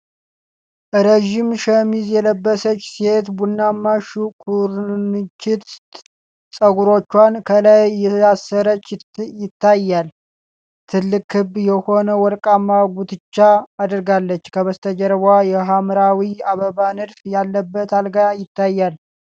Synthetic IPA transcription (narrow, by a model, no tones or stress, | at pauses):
ʔɾeʒɪmʃəmizjɛləbːəsət͡ʃːse̞t̪bunːamːaʃukʰuɾnɨt͡ʃːɪt̪ | sʼəɡuɾo̞t͡ʃːwankʰəlajːɛasːəɾət͡ʃːjɪt̪ːajːal | t̪ʰɨlːɨkhɨbjɛho̞nəwɔɾkʼamːaɡʷut̪ʰɨt͡ʃːaːd̪ɾɡalːət͡ʃːkʰəβəst̪ʰəd͡ʒəɾβwajɛɦamɾawiaβəβanɨd̪fjalːəbːət̪ʰalɡajɪt̪ʰːajːal